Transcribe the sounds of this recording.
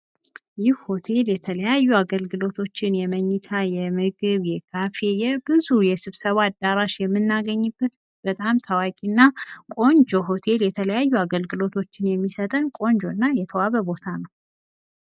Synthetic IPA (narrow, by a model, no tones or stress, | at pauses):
jɪhho̞t̪ʰe̞ljɛt̪ʰələjajːuaɡəlɡɨlo̞t̪ʰo̞t͡ʃːɪnjɛməɲːɨt̪ʰajɛmɨɡɨβjɛkʰafe̞jɛbɨzujɛsɨβsəβaːd̪ːaɾaʃjɛmːɨnːaɡəɲːɨbːət̪ | b̥ət̪ʼamt̪ʰawakʼinːakʼo̞nd͡ʒo̞ɦo̞t̪ʰe̞ljɛt̪ʰələjajːuaɡəlɡɨlo̞t̪ʰo̞t͡ʃːɪnjɛmːisət̪ʼənkʼo̞nd͡ʒo̞nːajɛt̪ʰəwaβəbo̞t̪ʰanəw